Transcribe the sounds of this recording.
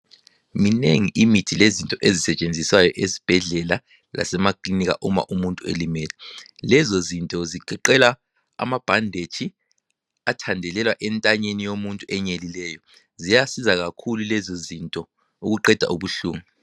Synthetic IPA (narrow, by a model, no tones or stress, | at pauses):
mineŋiʔimitʰilezintʼɔʔezisɛt͡ʃʼend͡zʱiswajɔʔezi̥b̥ʱɛɮɛla | lʔa̰sɛmakʼlinik̬a̰ʔuma̰ʔumuntʼuḛlimɛːlɛlɛzozintʼɔziǃ̥ʱɛǃɛla | a̰mab̥ʱandʱet͡ʃʰi | atʰandʱɛlɛlwaʔɛntʼaɲenijomuntʼuʔɛɲelilɛːjɔ | zijasizaɣakʰululɛzozintʼɔ | uɣuǃɛd̥ʱa̰ʔuβuɬṵːŋu